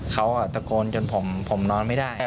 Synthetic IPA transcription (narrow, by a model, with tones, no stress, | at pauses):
kʰa˦˥wʔa˨˩t̪a˧koː˧nt͡ɕo˧npʰo˩˦mpʰo˩˦mnɔː˧nma˥˩jdaː˥˩j